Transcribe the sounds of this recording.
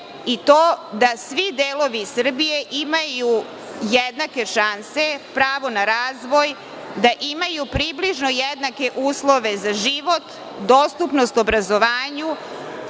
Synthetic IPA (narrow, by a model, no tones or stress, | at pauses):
it̪oːd̪asʋid̪eːlo̞ʋisr̩bije̞ʔimaju | jed̪nake̞ʃanse̞pɾaːʋo̞naɾaːzʋo̞j | d̪aʔimajupɾibliʒno̞jed̪nake̞ʔuːslˠo̞ʋe̞zaʒiʋo̞t̪ | d̪ost̪upno̞st̪obɾazoʋaːɲu